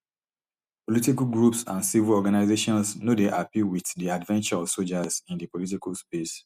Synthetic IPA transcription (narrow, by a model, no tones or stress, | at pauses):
politikalɡɹupsã̰nsivilɔɡanaɪzeʃɔ̃nsnodeʔapiwiθdiadvɛ̃nt͡ʃaɔfsod͡ʒazĩndipolit̬ikalspes